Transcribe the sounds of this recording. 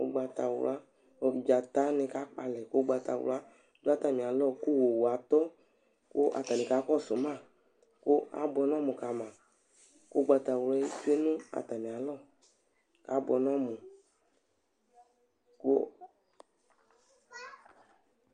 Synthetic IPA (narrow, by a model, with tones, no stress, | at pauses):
o̰˧ɡ͡ba˧ta˨w̰la˦˧˨ | ba˨ta˨˦nĩ˧ka˨˦k͡pa˧lɛ˨ko˦ɡ͡ba˧ta̰˨w̰la˦ | du˦a˦ta˨mĩ˨a˨lɔ˦˨ko˦˨wo˨wo˨a˨t̪ɔ˦ | ko˦ʔa̰˨ta˨nĩ˨kaː˨˦kɔ˦˨so˨˦mã˦˨ | ko˦a̰˦bɔ˧n˦ɔ˦˨mũ˨ka˨˦mã˨ | ko˦ɡ͡ba˧ta˨wɔ˧˦i˦t͡ʃe˦nũ˦a̰˨ta˨mĩ˨a˨lɔ˦˨ | ka˨˦bɔ̰˧nɔ˦mũ˨ | ko̰˦